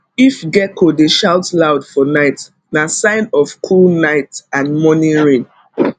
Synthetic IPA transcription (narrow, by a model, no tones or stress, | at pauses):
ifɡɛkʰodeʃaʊtlaʊdfɔnaɪt | nasãɪ̃nɔfkʰulnaɪtãnmɔnĩɹĩn